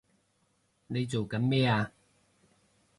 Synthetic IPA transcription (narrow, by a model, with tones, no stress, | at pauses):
ne˨˧jt͡so˨wkɐ˨˥nmɛː˥˩aː˧